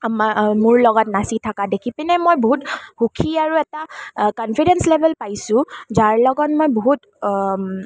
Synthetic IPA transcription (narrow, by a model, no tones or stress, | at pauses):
amamʊɹlɔɡɔtnasitʰakadekʰipɛnɛmojboɦuthukʰiaɹuɛtakɔnpʰidɛnslebʱɛlpajsʊ̃zaɹlɔɡɔtmojboɦut